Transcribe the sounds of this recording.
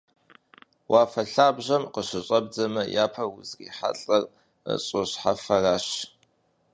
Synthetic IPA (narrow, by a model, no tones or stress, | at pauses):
waːfɐɬaːbʑɐmqəɕɪɕʼɐb̚d͡zɐmɐjaːpʰɐwʊzrḭːħa̰ɬʼɐr | ə̰ɕʼʊɕħafɐraːɕ